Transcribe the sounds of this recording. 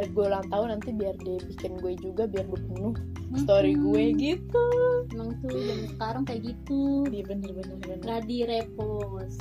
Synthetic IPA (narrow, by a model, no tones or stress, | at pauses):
ɾɪp̚ɡueulaŋt̪aʊnant̪ibiardipikɪnɡuɛd͡ʒuɡabiarɡuapənʊh | st̪oɾiɡuɛɡit̪unəŋt̪udansə̥kaɾaŋkajaɡit̪udivənivəniənɡadiɾepɔ | s